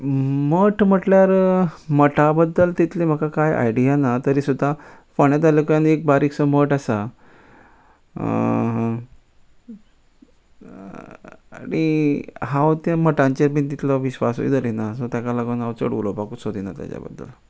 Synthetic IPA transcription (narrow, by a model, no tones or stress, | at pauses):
məʈm̤əʈljaɾməʈabəd̪ːəlt̪it̪lem̤əkakaja̰jɖijanat̪əɾiːsud̪ʱːafəɳjat̪alekjanek̚baɾiksɔməʈasa | ɦ | a̰niɦãwt̪jaməʈãɲt͡ɕeɾbint̪it̪lɔʋiɕʋaso̰ḭd̪əlinasot̪jakalaɡənawt͡sə̰ɽulɔpakut͡ssod̪ina̰t̪ja̰t͡ɕa̰bə̰d̪ːə̰l